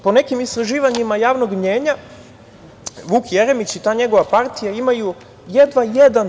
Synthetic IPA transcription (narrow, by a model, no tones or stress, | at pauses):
po̞ne̞kimist̪ɾaʒiːʋaɲimajaːʋnoɡmɲeːɲa | ʋuːkjeɾe̞mit͡ɕit̪aːɲe̞ɡo̞ʋapaɾt̪ijaimaju | jed̪ʋajed̪an